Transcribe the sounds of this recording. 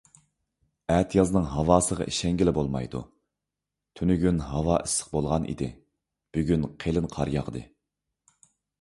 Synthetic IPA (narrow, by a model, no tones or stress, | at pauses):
ɛt̪ʰjɑzɨnɨŋɦɑwɑːsəʁɑ̰ʔiʃɛŋɡʲilɪbolˠmɑ̰jd̪ṵ | t̪ʰynyɡʲynɦɑwɑːʔisːə̥q̚bolˠʁɑnʔḭd̪ɪ̰ | b̥yɡʲynqʰelɪnqʰɑɾjɑ̰ʁəd̪ɨ